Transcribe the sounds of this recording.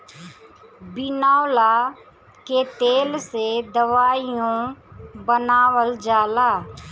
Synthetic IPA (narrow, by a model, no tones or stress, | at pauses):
bɪnaːla | ket̪eːlsed̪əʋaːijõbənaːwəld͡ʒaːlaː